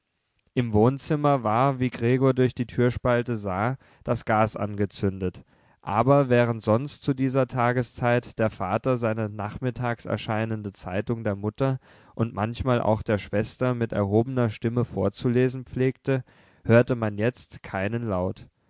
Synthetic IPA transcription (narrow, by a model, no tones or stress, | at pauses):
ʔɪmvoːnt͡sɪmɐvaːɐviːɡʁeːɡoːɐdʊɐçd̥iːtʰyːɐʃpaltəzaː | d̥asɡ̥aːsʔa̰nɡət͡sʏndət | ʔaːbɐvɛːʁ̞əntz̥ɔnstt͡sudiːzɐtʰaːɡəst͡saɪtd̥eːɐfaːtɐzaɪnənaχmɪtʰaːksɛ̰ɐʃaɪnəndət͡saɪtʊŋdeːɐmʊtɐ | ʔʊntmançmaːlʔa̰ʊxd̥eːɐʃv̥ɛstɐmɪtɛ̰ɐɦoːbənɐʃtɪməfoːɐt͡suleːzn̩p͡fleːk̚tə | høːɐtəmanjɛt͡stkʰaɪnənlaʊt